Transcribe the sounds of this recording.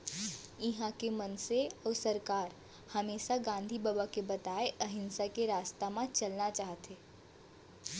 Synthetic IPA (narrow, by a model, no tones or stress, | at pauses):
ɪɦãkemənseɔːɾsɐɾkaːɾ | hɐmeːʃaɡãːnd̪ʱibabakebɐt̪aːeʔəɦɪ̃nsakeɾaːst̪amãt͡ʃɐlnat͡ʃaːɦt̪eː